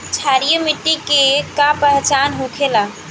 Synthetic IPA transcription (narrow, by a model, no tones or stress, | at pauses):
t͡ʃʰaɾijəmiʈːikekapəɦt͡ʃanɦũkʰela